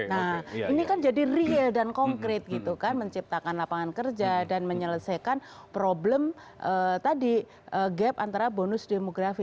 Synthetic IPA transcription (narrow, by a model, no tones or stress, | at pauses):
nainikand͡ʒadiriɛldankɔŋkɾɪt̪̚ɡit̪ukanməɲt͡ʃip̚t̪akanlapaŋankərd͡ʒadanməɲələsajkanpɾobləm | ʔət̪adi | ʔəɡɛpant̪aɾabonʊsdemoɡɾafi